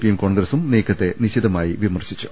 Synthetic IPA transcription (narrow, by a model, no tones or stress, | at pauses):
pijemko̞ːɳɡɾɐsumneːkʰːɐt̪ːe̞niɕiðɐmaːjiʋimɐrɕi̥t͡ɕːu̥